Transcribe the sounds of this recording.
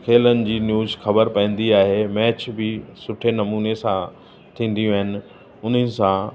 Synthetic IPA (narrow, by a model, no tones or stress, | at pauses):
kʰeːlənɪ̆d͡ʑiːnjuːzxɐbəɾpɐ̃ːn̆d̪iaːɦemɛːt͡ɕbɪsʊʈʰenɐmuːnesã | t̪ʰĩːn̆d̪ijũaːɦɪnɪ̆ | ʊn̤ənɪ̆sã